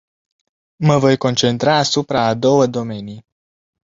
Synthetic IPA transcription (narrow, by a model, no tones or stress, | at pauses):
məvo̞jko̞nt͡ʃe̞nt̪ɾaːsupɾaːd̪o̞wəd̪o̞me̞nij